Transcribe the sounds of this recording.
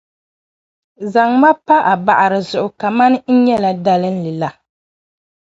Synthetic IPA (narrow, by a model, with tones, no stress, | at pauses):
za˨ŋma˦pa˦ʔa˨ba˨ʔa˨ɾɨ˨zʊ˨ʔʊ˨ka˨ma˦n˦n̩˦ɲɛ˦la˨da˦lɨ˦n̩˦lɨ˨la˨